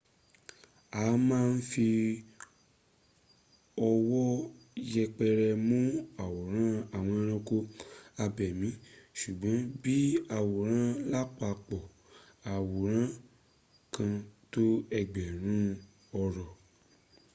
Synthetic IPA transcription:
a˨˦mãː˦˧n̩˦fi˧ | ɔ˧wɔ˦ | jɛ˧k͡pɛ˧ɾɛ˧mũ˦a˨wo˨ɾ̃ã˦a˦˨w̃ɔ̃˧ɾ̃ã˧ko˧a˧bɛ˨mĩ˨˦ʃu˨ɡ͡bã˨˦bi˦a˨wo˨ɾ̃ã˦la˦k͡pa˧k͡pɔ˨ | a˨wo˨ɾ̃ã˦ | kã˧to˦ɛ˧ɡ͡bɛ˨ɾ̃ũ˨˦ | ɔ˧ɾɔ˨

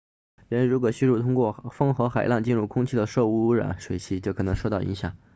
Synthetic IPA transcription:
ɻə˧˥˧ɻu˧˥k̬wɔ˨˩ɕy˥ɻu˥˩t̪ʰʊ˥ŋkwɔ˥˩fɤ˥ŋxɤ˧˥xa˨˩ɪlɑ˥˧ŋt͡ɕi˥˧nɻu˥˩kʰʊ˥ŋt͡ɕʰi˥˩d̪ə˩ʂɤ˥˧u˥˩u˧˥ɻa̰˨˧˩nʂwe˨˩ɪt͡ɕʰi˧˥˩t͡ɕjo˥˩kʰɤ˨˩nɤ˧˥ŋʂo˥ʊt̪ɑ˥˩ʊʔḭ˧˥ɕjɑ̰˨˩ŋ

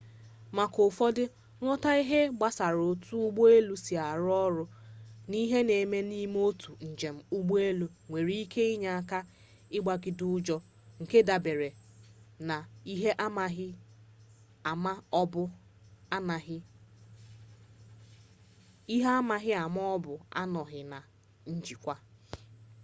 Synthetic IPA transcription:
ma˨kʊ˨fɔ˦dɪ˦ | ŋʷɔ˦ta˦i˦ɦe˦ɡ͡ba˦sa˨ɾo˨tu˦ɡ͡bo˦e˦lu˦si˨a˨ɾɔ˦ɾʊ˦ni˦ɦe˦ne˨me˦ni˦m˦o˦tʰu˨n̩˨d͡ʒe˨m̩˦ʊ˦ɡ͡bo˦e˦lu˦ŋʷe˨ɾi˦i˦kʰe˦i˦ɲa˨a˦ka˦ | ɪ˦ɡ͡ba˦ɡɪ˨dʊ˦ʊ˦d͡ʒɔ˦ | ŋ̩˨ke˦da˨be˨ɾe˨ | na˨i˦ɦe˦ʔa˦m˨ɦɪ˦˨ | ma˦bʊ˦ | n˨˦ | i˦ɦe˦a˦ma˨ɦɪ˦a˨m˦ɔ˦bʊ˨a̰˦nɔ˨ɦɪ˨na˨ | n̩˦d͡ʒi˨kʷa˦

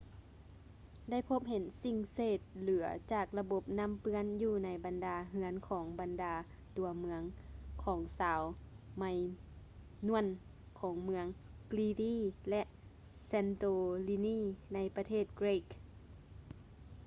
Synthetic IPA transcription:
da˥˩˨jpʰo˧˦˥p̚ɦe˨˦nsi˧˩ŋseː˧˩t̪̚lɯː˨˩˦ɐ̰t͡ɕaː˨˩k̚la˧bo˧˦p̚na˧˥˨mpɯ˧˥ə˨njuː˧˩na˧˥jba˨ndaː˨˧ɦɯ˧˦ənkʰɔː˩˦ŋba˨ndaː˨˧ | t̪u˨˩˦ɐmɯ˧˥əŋkʰɔː˩˦ŋsaː˨˦w | ma˧j | nu˧˥˩ən | kʰɔː˩˦ŋmɯ˧əŋkliː˧diː˧˥˨lɛ˧ʔ | sɛː˧nt̪oː˧li˧niː˧˥˨na˧˥jpa˧t̪ʰeː˥˩t̪̚kɾe˧˨k

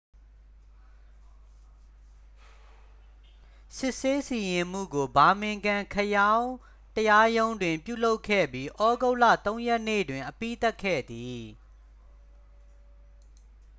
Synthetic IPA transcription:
sɪ˦ʔse˦si˨jɪ̃˨m̥ṵ˦˨ɡo˨ba˨mɪ̃˨ŋɡã˨kʰəjã˦ʊ̃ | təja˦jõ˦ʊ̃ndwɪ̃˨mpjṵ˦˨lo˦ʊkʰɛ̰˦˨bji˦ʔɔ˦ɡo˦ʊ˨lä̰˦˨t̪õ˦ʊ̃jɛ˦ʔnḛ˦˨dwɪ̃˨ʔəpi˦˨t̪a˦kʰːɛ̰˦˨d̪i˨

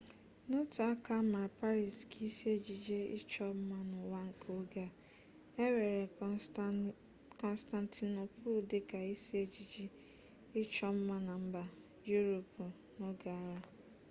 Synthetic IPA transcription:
nʊ˦tʊ˨a˦ka˦ma˨pa˦ɾi˨ski˦si˦e˦d͡ʒi˨d͡ʒe˦ɪ̰˦t͡ʃɔ˦m̩˦ma˦nʊ˨wa˦ŋ̩˨kʰo˦ɡa˦ | e˦we˨ɾe˨ | kɔ˨n˦sta˨nti˨no˨pʰo˦˨de˦ka˨i˦si˦e˦d͡ʒi˨d͡ʒi˦ | ɪ˦t͡ʃɔ˦m̩˦ma˦na˨m̩˦ba˨ | ju˦ɾo˨pu˨ | no˦ɡa˨ɾa˦

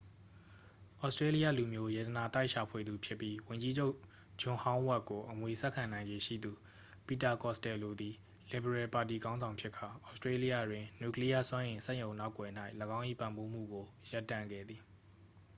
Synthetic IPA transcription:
ʔɔ˦ʊstɹe˦li˦jä̰˦˨lu˨mjo˦jɛ˨d̪ə˨na˨t̪a˦ɪʔʃa˨pʰwe˨d̪u˨pʰjɪ˦pːji˦wʊ̃˨ɲd͡ʑi˦d͡ʑo˦ʊʔ | d͡ʑʊ̃˦˨hã˦ʊ̃wa˦ʔkːo˨ʔəmwe˨sɛ˦ʔkʰã˨nã˨ɪ̃ɲd͡ʑe˦ʃḭ˦˨d̪u˨ | pi˦˨ta˨kɔ˦˨stɛ˨lo˨d̪i˨ | lɪ˨bə˨ɹɛ˨pa˨ti˨ɡã˦ʊ̃zã˨ʊ̃pʰjɪ˦ʔkʰa˨ʔɔ˦ʊstɹe˦li˦jä̰˦˨dwɪ̃˨njṵ˦˨kli˦ja̰˦˨sw̃ã˦ʔɪ̃˨nsɛ̃˦˨jõ˨ʊ̃na˦ʊkːwɛ˨n̥a˦ɪʔləɡã˦ʊ̃ʔḭ˦˨pã˨mbo˦m̥ṵ˦˨ɡo˨ja˦tːã˨ŋɡɛ̰˦˨d̪ði˨

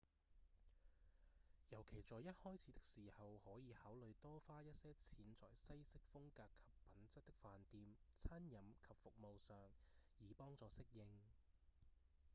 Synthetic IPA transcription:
jɐ˨˩wkʰe˨˩jt͡sɔː˨jɐ˥t̚hɔː˥jt͡sʰiː˨˥t̪ɪ˥k̚siː˨˩hɐ˨whɔː˨˥jiː˨˧haː˨˥wlɵ˨˧ɥt̪ɔː˥faː˥jɐ˥t̚sɛː˥t͡sʰiː˨˥nt͡sɔ̰ː˨jsɐ˥jsɪ˥k̚fʊ˥ŋkaː˧kʰːɐ̥˨pːɐ˨˥nt͡sɐ˥t̚t̪ɪ˥k̚faː˨nt̪iː˨mt͡sʰaː˥njɐ˨˥mkʰɐ˨p̚fʊ˨k̚mo˨˧wsœː˨ŋjiː˨˧pɔː˥ŋt͡sɔː˨˧sɪ˥k̚jɪ˧ŋ

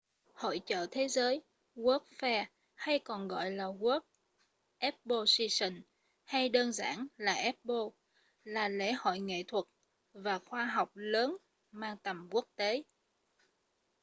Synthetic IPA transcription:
ho̰˧˨jt͡ɕə̰ː˧˨t̪ʰe˨˦zəː˨˦j | ɣu˦˥p̚fɛ˧ | ha˧jkɔ˨˩nɣɔ̰˧˨jlaː˨˩ɣu˦˥p̚ | ʔɛ˦˥p̚ɓo˧si˧sə˧˩ŋ | ha˧jɗəː˧nza̰ː˧˩nlaː˨˩ʔɛ˦˥p̚ɓo˧ | laː˨˩lḛ˧˥hɔ̰˧˨jŋḛ˧˨t̪ʰwə˨˩t̚ | vaː˨˩xwaː˧ɦa˨˩wk͡p̚ləː˨˦n | maː˧ŋt̪ə˨˩mku˦˥ək̚t̪e˨˦

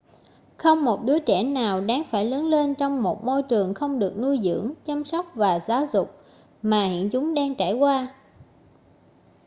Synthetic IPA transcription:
xə˧wŋ͡mmo˨˩t̚ɗɨ˨˦ət͡ɕɛ˧˩naː˨˩wɗaː˨˦ŋfaː˧˩jləː˨˦nle˧nt͡ɕɔ˧wŋ͡mmo˨˩t̚mo˧jt͡ɕɨ˨˩əŋxə˧wŋ͡mɗɨ˨˩ək̚nu˧jzɨ̰˧˥əŋt͡ɕa˧msɔ˦˥wk͡p̚vaː˨˩zaː˨˦wzʊ˨˩k͡p̚ | maː˨˩hḭ˧˨ənt͡ɕʊ˨˦ŋ͡mɗaː˧ŋt͡ɕaː˧˩jkwaː˧

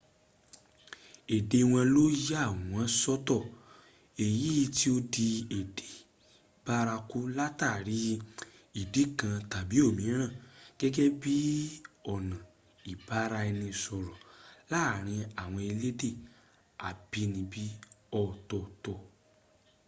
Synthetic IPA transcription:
e˨de˨˧w̃ã˧lo˦je˦a˦˨w̃ɔ̃˨˦sɔ˦tɔ˦˨ | e˨ji˦˧ti˦o˧di˧e˨de˨ | b̥a˦ɾa˧ku˦la˦ta˦˨ɾi˨˦ | i˨di˨˦kã˧ta˨bi˨˦o˦˨mĩ˨˦ɾ̃ã˦˨ɡ̥ɛ˦ɡɛ˦bi˦ɔ˦˨nã˨ | i˨ba˦ɾa˧ɛ˧nĩ˧sɔ˧ɾɔ̃˨la˦˨ɾ̃ĩ˧a˨w̃ɔ̃˧e˧le˦de˦˨ | a˨b̥i˦nĩ˧bi˦ɔ˦˨tɔ˨tɔ˧˨

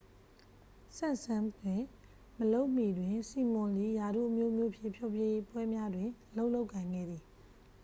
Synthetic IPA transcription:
sã˦˨ʔsã˦mkʰwɪ̃˦˨ | məlo˦ʊʔm̥i˨dwɪ̃˨nsi˨mɔ̃˨li˦˨ja˨ɾṵ˦˨ʔəmjo˦mjo˦˨pʰjɪ̰̃˦˨pʰjo˦˨pje˦jpwɛ˦mja˦dwɪ̃˨ʔəlo˦ʊʔlo˦ʊʔkʰːã˨ɪ̃ŋɡɛ̰˦˨d̪ði˨

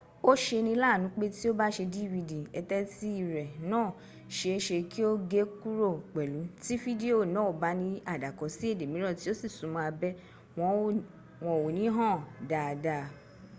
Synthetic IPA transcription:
o˦ʃe˧nĩ˧˦la˦˨nũ˨˦k͡pe˦ti˦o˦ba˦ʃe˧di˦˨vi˧di˨ɛ˧tɛ˦ti˦i˦˨ɾɛ˨nãː˦˨ | ʃe˧e˧ʃe˧ki˦o˦ɡe˦ku˦ɾo˦˨k͡pɛ˨lu˨˦ti˦fi˦di˦o˦˨nɔ̃ː˦˨ba˨˦nĩ˦a˦˨da˨kɔ˨˦si˦e˦˨de˨mĩ˨˦ɾɔ˦˨ti˦o˦si˦˨sũ˨˦mɔ̃˨˧a˧bɛ˦ | w̃ɔ̃˧ | wɔ̃˧˨wo˨nĩ˨˦ɦã˦˨da˨da˧˨

